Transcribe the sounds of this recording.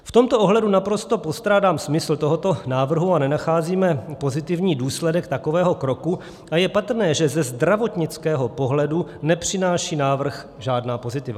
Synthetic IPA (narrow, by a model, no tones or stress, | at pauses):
ft̪o̞mt̪oʔoɦlɛdunapɾo̞st̪o̞po̞st̪ɾaːdaːmsmɪsl̩t̪o̞ɦot̪o̞naːvr̩ɦuanɛnaxaːziːmɛpo̞zɪt̪ɪvɲiːduːslɛdɛkt̪ako̞vɛːɦo̞kɾo̞ku | ʔajɛpat̪rnɛːʒɛzɛzd̪ɾavo̞t̪ɲɪt͡skɛːɦo̞po̞ɦlɛdunɛpr̝̥ɪnaːʃiːnaːvr̩x | ʒaːdnaːpo̞zɪt̪ɪva̰